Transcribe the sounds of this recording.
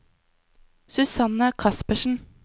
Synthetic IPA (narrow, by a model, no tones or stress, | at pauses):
sʉsɑnəkʰɑspəʃn̩